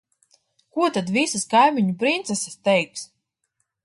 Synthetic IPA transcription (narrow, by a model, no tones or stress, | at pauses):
kuɔt̪ad̪visaskajmiɲupɾint̪sɛsast̪ɛjks